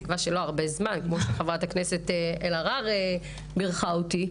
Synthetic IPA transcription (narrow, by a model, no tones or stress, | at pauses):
kvaʃelo̞aʁbezmankmo̞ʃeχavʁatakneseteelaʁaʁe | biʁχaoti